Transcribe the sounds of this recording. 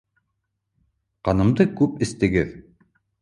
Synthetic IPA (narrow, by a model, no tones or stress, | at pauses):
qɑnɤ̆md̪ɤkʉpɘ̆st̪ɘ̆ɡɘð